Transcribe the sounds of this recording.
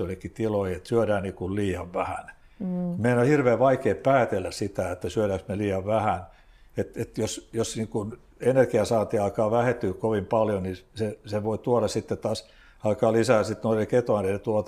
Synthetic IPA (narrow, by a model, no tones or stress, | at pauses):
oilːekːit̪iloiet̪syødæːniːkulliːɑʋʋæhæ̰n | meiænohirʋeːʋʋɑikeːppæːt̪elːæssit̪æet̪ːæsyøˑɾæksmeliːjɑʋʋæhæn | et̪et̪josjosniːkun | enerkiɑsɑːt̪iɑikɑːʋæhet̪ːykkoʋimpɑljoniseseʋoit̪uoɾɑssit̪ːet̪ɑːs | ɑlkɑːlisæːsit̪noireket̪oɑnenet̪uot̪